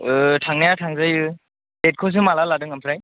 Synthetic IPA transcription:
ɯtʰaŋnajatʰaŋzajɯ | bet̚kʰɔs̬ɯmalaladɯŋampʰɾaj

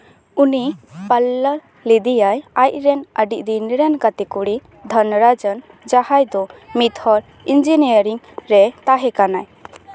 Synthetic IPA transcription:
unipalːa | lid̪ijajajʔ̚ɾɛnəɖiʔd̪inɾɛnkat̪ɛkuɽi | d̪ʱɔnɾad͡ʒən | d͡ʒahajd̪ɔmit̪hɔɾ | ind͡ʒinijəɾiŋ | ɾɛt̪aɦɛkanaj

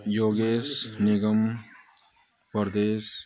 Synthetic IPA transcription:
joːɡeːsnɪɡəm | pəɾd̪eːs

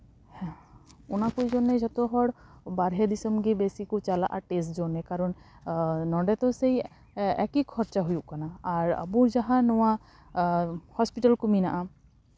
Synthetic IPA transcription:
hɛ̃unakujd͡ʒɔnɛd͡ʒɔt̪ɔɦɔɽbaɾɦɛd̪isɔmɡibesikut͡ʃala̰ʔaʈes̬d͡ʒɔnɛkaɾɔn | nɔɖɛt̪ɔsej | ɛ̰kikʰɔɾt͡ʃaɦujuʔkanaaɾa̰buɾd͡ʒaɦãnɔwa | hɔspiʈalkuminaʔa

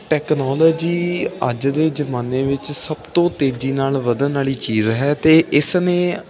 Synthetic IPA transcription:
ʈɛːknɔːlɔːd͡ʒiːəd͡ʒd̪eːd͡ʒəmaːneːʋɪt͡ʃsəbt̪õːt̪eːd͡ʒiːnaːlʋəd̪ənaːɭiːt͡ʃiːzɦɛːt̪eːɪsnẽː

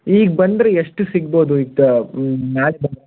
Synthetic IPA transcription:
iːɡbɐnd̪ɾeeʂʈɨsiɡ̚boːd̪uiːɡ̚t̪ɐnaːlibɐnd̪e

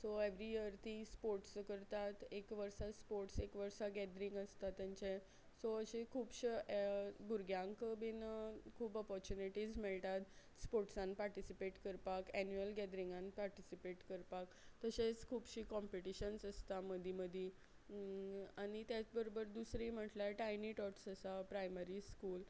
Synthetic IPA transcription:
soeʋɾijəɾt̪ispoɾʈskəɾt̪at̪ekʋəɾsaspoɾʈsekʋəɾsaɡɛd̪ɾiŋɡəst̪at̪ːjãɲt͡ɕe | soəɕekʰuːbɕ | buɾɡʱjãŋkəbinəkʰuːpɔpɔɾt͡ɕuniʈizmeɭt̪at̪ | spoɾʈsãnpaɾʈisipeʈkəɾpakɛnjuəlɡɛd̪ɾĩŋɡanpaɾʈisipeʈkəɾpakt̪əɕet͡skʰuːbɕiːkɔmpiʈiɕənsəst̪aməd̪ʱiməd̪ʱi | aɽ̃it̪jat͡sbəɾobəɾd̪usɾim̤əʈlaʈajniʈɔʈsəsapɾajməɾiskuːl

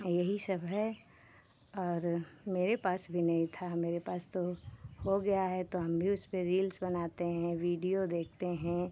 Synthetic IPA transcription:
jɐɦisɐbʱɦɛ | ɔːɾmeːɾepaːsbʱinɐɦĩt̪ʰameːɾepaːst̪ohoɡɐjaɦɛt̪oɦɐmbʱiʊspẽɾiːlsbɐnaːt̪eɦɛ̃ʋiːɖijod̪eːkʰt̪eɦɛ̃

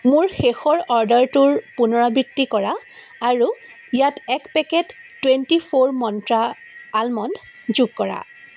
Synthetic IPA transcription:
mʊɹxexɔɹɔɹdɔɹtuɹpunɔɹabɹitːikɔɹa | aɹu | jatɛkpɛkɛtː | wentipʰoɹmɔntɹaː | lmɔn | zuɡ̚kɔɹa̰

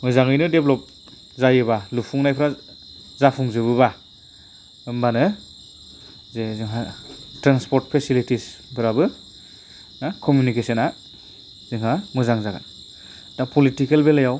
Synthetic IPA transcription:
mɯzaŋɯjnɯdeblɔp̚ | zajɯbalupʰuŋnajpʰɯɾa | zapʰuŋzɯbɯba | ɯmbanɯ | zeziŋɦatɾanspɔɾt̚pʰesilitispʰɯɾabɯ | akʰɔmjunikesɔna | z̥ɯŋɦaŋɯzaŋzaɡa̰n | dapʰɔlitikelbelajaw

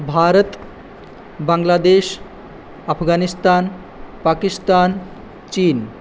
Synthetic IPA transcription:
bʱaːɾət̪ | baŋlad̪eʃ | apʰɡanist̪an | pakist̪an | t͡ɕin

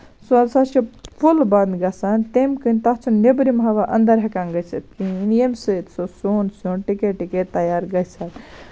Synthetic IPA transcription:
sunsat͡ʃʰipʰulbɐnd̪ɡɐsɐnt̪emkɨnt̪ɐɦt͡ʃʰunnːebɾimɦaʋaʔɐnd̪ɐɾɦekanɡɐsɨt̪̚kinemsɨt̪sosunsunʈikeʈiket̪ːɐjaɾɡɐsɐt̪

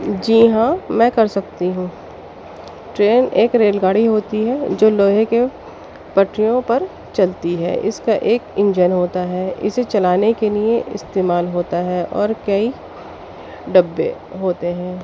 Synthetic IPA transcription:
d͡ʒiːɦãmɛ̃ːkɐɾsɐk̚t̪iɦũː | ʈɾeːneːkɾeːlɡaːɽiɦoːt̪iɦɛd͡ʒoːloːɦeke | pɐʈʰɾijõpɐɾ | t͡ʃɐlt̪iɦɛ̰ːʔɪskaʔeːkɪ̃ɲd͡ʒənɦoːt̪aɦɛːɪ̰set͡ʃɐlaːnekelieʔɪ̰st̪eːmaːlɦoːt̪aɦɛʔɔ̰ːɾkɐi | ɖɐbːḛ | ɦoːt̪eɦɛ̃ː

